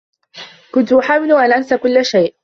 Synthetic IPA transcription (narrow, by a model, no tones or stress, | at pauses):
kʊnt̪ʊʔħaːwɪlʊʔalʔansakʊlːʃajʔ